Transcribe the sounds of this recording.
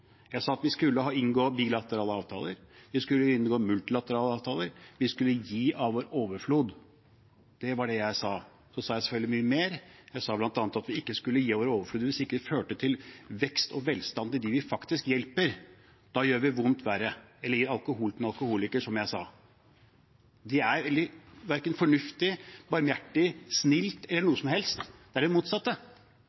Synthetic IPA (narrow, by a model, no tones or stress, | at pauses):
jæɪsɑːɑt̪ʋɪskʉlːəɦɑːɪnɡoːbilɑt̪əɾɑːləɑːʋt̪ʰɑ̰ːləɾʋɪskʉlːəɪnɡoːmʉlt̪ɪlɑt̪əɾɑːləɑːʋt̪ʰɑːləɾʋɪskʉlːəjiːʔɑʋʋoːɾoːʋəɾfluːd̪ | d̪̥ɛʋɑɖɛjæɪsɑː | sɔsɑːjæɪsɛfœld̪ɪmyːəmeːɾjæɪsɑːblɑnt̪ɑːnət̪ɑt̪ʋɪɪkːəskʉlːəjiːɑʋoːɾəoːʋəfluːd̪ʋɪsɪkːəføːʈət̪ʰɪlʋɛkst̪ɔʋɛlst̪ɑnd̪əd̪ɪʋɪfɑkt̪ɪskjɛlpəɾ | d̪̥ɑjøːɾʋɪʋʊnt̪ʰʋæɾəɛlːəjiɾɑlˠkʊɦuːlt̪mɛɑlˠkʊhuːlɪkəʂɔmjæɪsɑ̰ː | d̪ɪæɾʋɛld̪ɪʋæɾkənfɔɳʉft̪ɪbɑɾmjæʈːɪsnɪlt̪ɛlːəɳuːəsɔmhɛlst̪d̪̥ɛæɖɛmuːt̪sɑt̪ːə